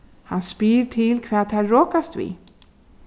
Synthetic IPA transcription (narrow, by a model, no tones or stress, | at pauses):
hanspiːɾʈʰɪlkʰvɛːðθʰɛɾɔːkast̪vḭ